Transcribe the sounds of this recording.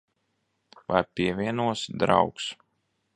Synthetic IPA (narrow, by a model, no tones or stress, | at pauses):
va̰jpʲiɛvʲiɛnuɔsd̪ɾa̰wks